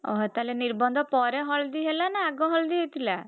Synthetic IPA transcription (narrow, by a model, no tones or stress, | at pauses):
ɔ̰ɦɔt̪aleniɾbɔnd̪ʱɔpɔɾeɦɔld̪iɦelanaːɡɔɦɔld̪iɦet̪ʰila